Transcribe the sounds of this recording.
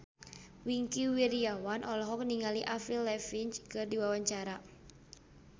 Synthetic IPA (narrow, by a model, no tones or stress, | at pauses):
wiŋkiwiɾiawanʔɔlɔɦɔk̚niŋaliʔafilːɛfiɲt͡ʃkɨrdiwawaɲt͡ʃaɾa